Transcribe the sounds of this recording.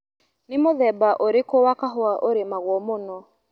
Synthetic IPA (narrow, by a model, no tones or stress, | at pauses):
nɪmoðɛbaʔoɾekowakaɦoaʔoɾemaɣwɔmonɔ